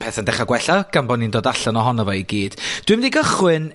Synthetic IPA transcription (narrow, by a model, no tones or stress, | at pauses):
pʰɛːθəndɛχaɡwɛɬaɡ̥ambɔnindoːdaɬɔnɔɦɔnɔvɔiɡiːd̥d̥wɨmniɡəχwɨn